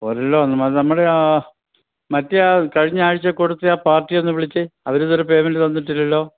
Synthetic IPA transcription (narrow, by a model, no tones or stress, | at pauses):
oːɾɐlːoɐnːɐmɐnɐmːuɽe | mɐtːɨaːkɐɻiɲːaːɻit͡ɕːɐkoɽut̪ːɨaːpaːrʈːijo̞nːɨʋiɭit͡ɕːɨɐʋɐɾuðoɾupeːmɐnt̪ɐnːiʈ̬ːilːɐlːo̞ː